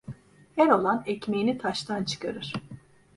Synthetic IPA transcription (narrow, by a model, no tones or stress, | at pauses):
hɛɾo̞lˠanɛcmejinit̪ʰaʃt̪ʰant͡ʃʰɯ̥kaɾɯɾ̥